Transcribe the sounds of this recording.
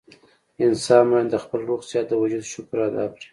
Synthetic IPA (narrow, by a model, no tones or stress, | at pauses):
ɪnsɑnmɑjand̪əxpəlɾoɣzjɑt̪̚d̪əwad͡ʒud̪ʃʊkɾɑd̪ɑ̰kɽi̥